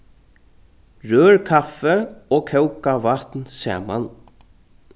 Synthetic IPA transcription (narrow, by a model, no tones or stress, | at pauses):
ɹøːɹkʰafɛɔːkʰɛwkavat̪nsɛ̰ːma̰n